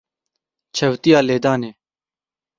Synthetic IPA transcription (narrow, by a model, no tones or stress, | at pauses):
t͡ʃʰəwt̪ijaːleːd̪aːnẽː